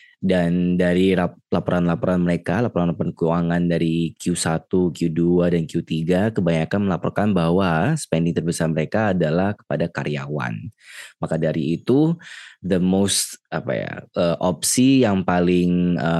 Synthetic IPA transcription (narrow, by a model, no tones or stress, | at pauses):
dandaɾilalapɔɾanlapɔɾanməɾekalapɔɾanlapɔɾankəuaŋandaɾikiusat̪ukiuduadankiut̪iɡakəbaɲakanməlapɔrkanbaɦwasə̥pɛndɪŋt̪ərbəsarməɾekaːdalahkə̥padaka̰ɾjawa̰nmakadaɾiːt̪ud̪əmost̪apa̰ja̰ʔəʔɔp̚sijaŋpalɪŋə